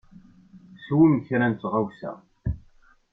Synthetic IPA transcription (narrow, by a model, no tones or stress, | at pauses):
swimçɾænt͡s̪ːʁawsæ̰